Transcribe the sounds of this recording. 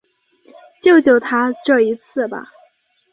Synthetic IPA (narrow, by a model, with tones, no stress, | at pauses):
t͡ɕjo˥˩ʊt͡ɕjo˨˩ʊt̪ʰa˥ʈ͡ʂɤ˥˩i˧˥t͡sʰɹ̩˥˩bɐ̰˩